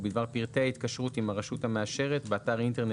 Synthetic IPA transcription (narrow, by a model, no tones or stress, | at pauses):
bid̪vaʁpiʁt̪eait̪̚kaʃʁut̪imaʁaʃuthameaʃe̞ʁet̪beat̪aʁint̪eʁn